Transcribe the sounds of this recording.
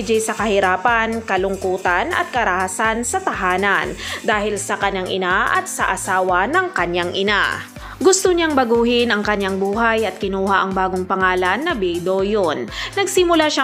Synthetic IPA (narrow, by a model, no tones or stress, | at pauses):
d͡ʒɛjsɐkɐhɪɾaːpɐnkɐlʊŋkuːt̪ɐnɐ̰t̪̚kɐɾɐhasansɐt̪ɐɦaːnɐnd̪aːhɪlsɐkɐɲaŋʔɪ̰naʔɐt̪̚sɐʔɐsaːwɐnɐŋkɐɲːaŋʔɪna̰ | ɡʊst̪oɲaŋbɐɡuːhɪnɐŋkɐɲːaŋbuːɦajʔɐt̪̚kɪnuːɦaʔɐŋbaːɡoŋpɐŋaːlɐnːɐbɛjd̪ojonnɐɡsɪmʊlaʃa